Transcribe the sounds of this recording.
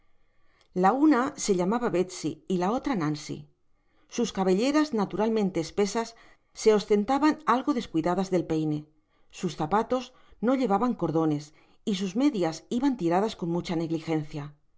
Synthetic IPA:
launase̞ʎamaβaβe̞t̪sḭːlao̞t̪ɾanãnsḭ | suskaβe̞ʎe̞ɾaznat̪uɾalmẽ̞nt̪e̞ːspe̞sasː | e̞o̞st̪e̞nt̪aβanalɣo̞ðe̞skwiðaðazðe̞lpe̞jne̞ | susθapat̪o̞z | no̞ʎe̞β̞aβaŋko̞ɾðo̞ne̞s | is̬uzme̞ðjasiβant̪iɾað̞asko̞nmut͡ʃane̞ɣlixe̞nθja

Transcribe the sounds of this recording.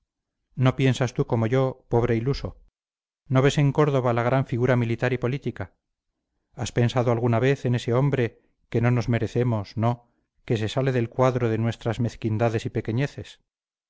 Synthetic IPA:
no̞pje̞nsast̪uko̞mo̞ʝo̞po̞βɾe̞iluso̞ | no̞β̞e̞se̞ŋko̞ɾð̞o̞β̞alaɣɾaɱfiɣuɾamilit̪aɾipo̞lit̪ika | aspe̞nsaðoalɣunaβe̞θene̞se̞o̞mbɾe̞ | ke̞no̞no̞zme̞ɾe̞θe̞mo̞sno̞ | ke̞s̬e̞sale̞ðe̞lkwaðɾoðe̞nwe̞st̪ɾazme̞θkind̪aðe̞sipeke̞ɲe̞θe̞s

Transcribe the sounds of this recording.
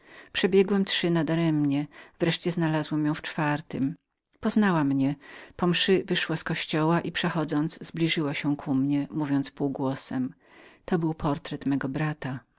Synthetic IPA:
pʂɛbʲjɛɡwɛmtʂɘnad̪aɾɛmɲɛvɾɛʂt͡ɕɛznalazwɛmjɔ̃w̃ft͡ʂfaɾt̪ɪm | pɔznawamɲɛpɔmʂɘvɘʂwaskɔɕt͡ɕɔwaʔipʂɛxɔd̪zɔnd̪zzblʲiʐɘwaɕɛkʰumɲɛmuvʲjɔnt̪spuːɡwɔsɛm | t̪ɔbɘwpʰɔɾt̪ɾɛt̪mɛɡɔbɾat̪a

